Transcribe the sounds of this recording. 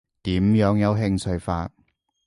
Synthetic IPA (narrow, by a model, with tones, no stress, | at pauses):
t̪iː˨˥mjœː˨˥ŋjɐ˨˧wɦɪ˧ŋt͡sʰɵ˧ɥfaː˧t̚